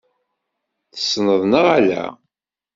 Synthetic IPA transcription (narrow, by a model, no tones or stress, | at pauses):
θə̥sːnəðˤnəʁalæ̰